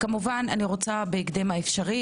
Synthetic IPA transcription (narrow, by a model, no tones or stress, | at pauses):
kamuvananiʁo̞t͡sabeiɡd̪emaefʃaʁi